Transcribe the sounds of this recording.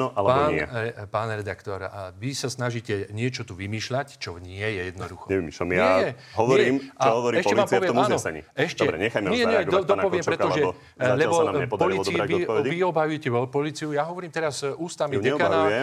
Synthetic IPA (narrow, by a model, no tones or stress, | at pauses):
nɔʔalɛpaːnɛ̰ɛpaːnɾɛd̪akt̪ɔɾʋisasnaʒiːcɛɲɪɛt͡ʃɔt̪uʋimiːʃlact͡ʃɔɲɪɛjɛjɛd̪nɔd̪uxɔɲɛʋimiʃla̰mjaɛjɛɦɔʋɲɔɾiːmaɦɔʋɔɾiɛʃcɔɛmːaːmɔʋɪɛːnɔɲḭɛʃc̪ɔɛɾɛ̰ɲɛxajmɛɛɡ̪ɔd̪ɔpɔʋɪɛmpɾɾɛt̪ɔʒɛ | zalɛlbɔsannamɲɛɔd̪palɾiːt͡siɛiɔɛɔiɔbajujɛcɛɔpɔliːt͡siujaːɦɔʋɔɾiːmt̪ɛɾazuːst̪amiɲɛkanaɛ